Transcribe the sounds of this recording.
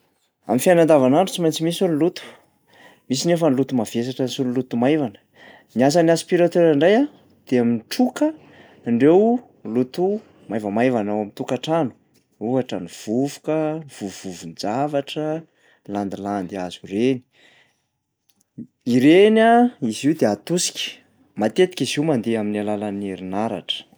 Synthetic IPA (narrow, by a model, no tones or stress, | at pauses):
a̰mifianand̪avanaɳɖ͡ʐut͡simajnt͡simisullut̪u̥ | mis̬inefənlut̪umaves̬aʈ͡ʂənisullut̪umajvanə̥ | nias̬anaspiɾat̪eɾaɳɖ͡ʐaja | d̪̥eaminʈ͡ʂukə | ɳɖ͡ʐew | lut̪u | majvamajvanawamint̪ukaʈ͡ʂanu̥ | uaʈ͡ʂaniv̥uvu̥kəv̥uvuvund͡zavaʈ͡ʂə | land̪iland̪iaz̥ureni̥ | iɾenaiziwd̪eat̪usi̥kʲə̥ | mat̪et̪i̥kʲiziumand̪eaminalalaniɾinaɾa̰ʈ͡ʂə̥